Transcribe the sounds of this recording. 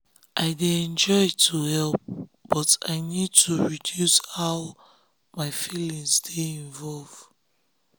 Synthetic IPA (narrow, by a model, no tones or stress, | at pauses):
ʔaɪdeɛ̃nd͡ʒɔɪtʰuhɛlp̚b̥ɔta̰ɪnid̚tʰuɹidjushaʊ | maɪfilĩŋsdeĩɱvɔlv